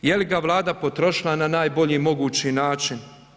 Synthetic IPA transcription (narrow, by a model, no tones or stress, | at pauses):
jeliɡaʋlˠaːd̪apo̞t̪ɾo̞ʃilˠananaːjbo̞ʎiːmo̞ɡuːt͡ɕinaːt͡ʃin